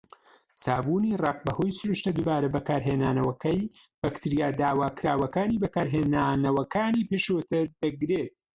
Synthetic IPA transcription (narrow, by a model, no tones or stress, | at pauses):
saːbuniːrɑq̚bɐho̞jsʊɾuʃt̪ɐd̪ubaːɾɐbɐkaːɾɦeːnaːnɐwɐkɐjb̥ɐkt̪ʰiɾijaːd̪aːwaːkɾaːwɐkaːniːbɐkaːɾɦeːnaːnɐwɐkaːniːpeʃoːt̪ʰɨɾd̪ɐɡɾeːt̪̚